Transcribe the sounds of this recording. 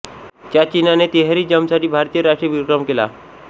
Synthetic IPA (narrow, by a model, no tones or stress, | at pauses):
t̪jat͡ɕinanet̪eɦɾiːd͡ʑəmsaʈiːbʱaɾt̪ijəɾaʂʈɾeʋiɾkɾəmkela̰